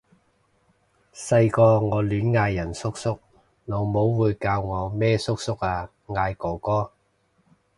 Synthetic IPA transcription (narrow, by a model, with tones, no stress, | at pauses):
sɐ˧jkɔː˧ŋɔː˨˧lyː˨˥nŋaː˧jːɐ˨˩nsʊ˥k̚sʊ˥k̚ | no˨˩wmo˨˥wːuː˨˧jkaː˧wŋɔː˨˧mɛː˥sʊ˥k̚sʊ˥k̚aː˧ | ŋaː˧jkɔː˨˧˩kɔː˥